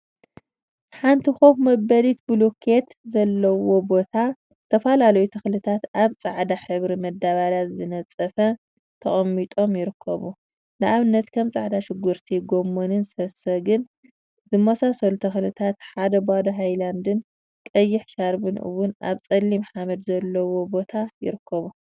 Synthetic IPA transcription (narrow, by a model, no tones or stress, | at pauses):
ħant̪ʰixofmɐbɐlit̪bulokʰet̪zɐlːɐwo̞bo̞t̪ʰa | t̪ʰɐfɐlalɐjut̪ʰɐxlɨt̪ʰat̪aβt͡sʼaʕd̪aħɨβɾimɐd̪ːaβalazɨnɐt͡sʼɐfɐ | t̪ʰɐχʼɐmːit̪ʼo̞mjɪɾɨkʰːɐ̰βu | nɨʔaβɨnːɐt̪kʰɐmt͡sʼaʕd̪aʃɪɡːuɾt̪ʰiɡomːonɨnsɐsɐɡɨn | zɨmːɐsasɐlut̪ʰɐxlɨt̪ʰat̪ħad̪ɐbad̪ɐɦajland̪ɨn | kʼɐjːɪħʃaɾbɨnʔɨ̰wʊnʔa̰βt͡sʼɐlːimħamɐd̪zɐlːɐwo̞bo̞t̪ʰajɪ̰ɾɨkʰːɐβu